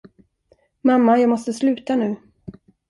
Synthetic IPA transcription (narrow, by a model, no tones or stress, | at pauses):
mamːajɑːɡmɔst̪əslʉ̟ːt̪anʉ̟ː